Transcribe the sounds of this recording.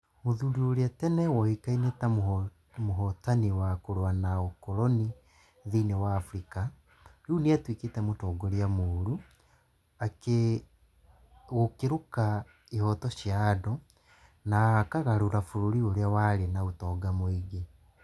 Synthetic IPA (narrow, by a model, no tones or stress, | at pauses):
moðuɾuoɾeatɛnɛwɔhikainetam | moɦɔtaniwakoɾwanaokɔɾɔni | ðiːnewaːfɾika | ɾuːneatwiketɛmotɔːɡoɾeamoːɾu | ake | ɣokeɾoka | ihɔtɔʃjaːdɔ | nakaɣaɾoɾafoɾoɾioɾeawaɾenaotɔːɡamoiɡe